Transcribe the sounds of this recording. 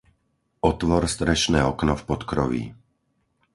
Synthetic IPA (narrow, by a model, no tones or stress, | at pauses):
ɔt̪ʋɔɾst̪ɾɛʃnɛːɔknɔfpɔt̪kɾɔ̰ʋḭː